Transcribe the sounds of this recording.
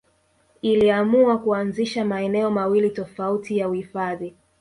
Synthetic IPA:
iliamuakuanziʃamaɛnɛɔmawilitɔfautijauhifaði

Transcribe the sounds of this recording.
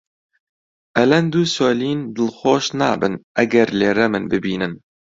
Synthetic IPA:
ʔɛlɛnd̪uːsoːliːnd̪ɨlxoːʃnɑːbɨnʔɛɡɛɾleːɾɛmɨnbɨbiːnɨn

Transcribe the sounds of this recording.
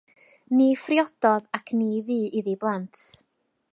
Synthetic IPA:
nifrjɔd̥ɔðakʰniːviːiðiblˠantʰ

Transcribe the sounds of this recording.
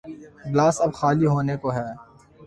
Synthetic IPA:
blaːsɐbxaːliɦoːnekoɦɛː

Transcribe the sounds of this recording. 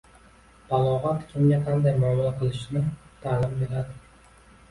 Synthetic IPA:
balˠɒʁat̪kʲʰɪmɡʲaqʰɑnd̪ajmamalaqʰɨlˠɪʃnɪt̪ʰaːlɪmbe̞ɾad̪ɪ

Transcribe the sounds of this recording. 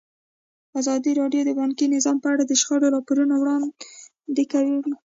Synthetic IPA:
azɑd̪iɾɑɖjod̪əbɑnkinɪzɑmpəaɽad̪əʃxəɽoɾɑpoɾunowɽɑn | d̪ekawewi

